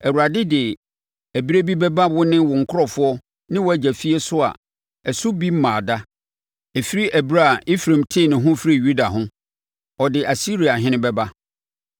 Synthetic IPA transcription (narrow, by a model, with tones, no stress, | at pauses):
ɛ˨wu˨ɾa˨dɪ˦dɪ˨ | æ˨bi˦ɾe˦bi˦bɛ˦ba˦wʊ˦nɪ̃˦wɔ˨ŋ̩˨kʰʊ˦ɾɔ˨fʊ˦ɔ˦ | nɪ̃˦wɔ˨˦æ˨d͡ʑæ˨fi˦e˦sʊ˦a̰˨ | ɛ˨sʊ˦bi˦m̩˦mãː˨da˦ | ɛ˨fi˦ɾi˦ʔæ˨bi˦ɾa˦˨i˦fɾẽ˨mtʰɪ˦˨nɪ̃˨ɦʊ̃˦fɾi˦˨ju˦da˨ɦʊ̃˦ | ɔ˨dɪ˨ʔa˨si˦ɾi˨a˨ɦɪ̃˦nɪ̃˦bɛ˦ba˦